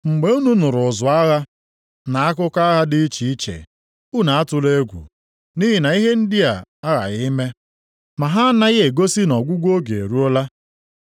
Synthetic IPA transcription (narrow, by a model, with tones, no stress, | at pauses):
ŋ͡m̩˨ɡ͡be˨u˦nu˦nʊ˨ɾʊ˨zʊ˨a˦ɣa˦ | na˨a˦kʊ˦ka˦ɣa˦dɪ˦t͡ʃi˨i˦t͡ʃḛ˨ | u˦na˨a˦tʊ˨le˦ɡʷṵ˨ | ni˦ɦi˨na˨i˦ɦe˦n̩˦dɪ˦a˨a˦ɣa̰˨ɣi˦me˦ | ma˨ɦa˦na˦ɣɪ˦e˨ɡo˦si˦nɔ˨ɡʷu˦ɡʷo˦ɡe˨e˨ɾu˦o˦la˦